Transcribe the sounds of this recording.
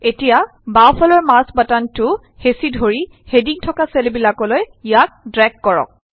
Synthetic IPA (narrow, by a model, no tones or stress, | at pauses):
etija | bawpʰɔlɔɹmasbatantʊ | hesidʱoɹi | hediŋtʰɔkaselbilakɔlojijak̚dɹɛɡːɔɹɔ̰k̚